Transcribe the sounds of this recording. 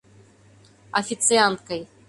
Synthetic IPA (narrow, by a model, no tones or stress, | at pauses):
ɐfʲit̪sɨant̪̚kɐj